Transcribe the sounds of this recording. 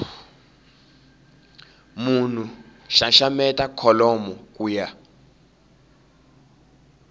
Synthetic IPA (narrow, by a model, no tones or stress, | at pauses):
mun̤uʃaʃamɛtʼakʰɔlɔmɔkʼuːja